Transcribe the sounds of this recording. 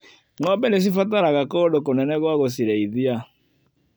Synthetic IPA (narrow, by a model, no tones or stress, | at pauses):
ŋɔbɛnes̬ifataɾaɣakɔɗokonɛnɛɣwaɣosiɾɛiðia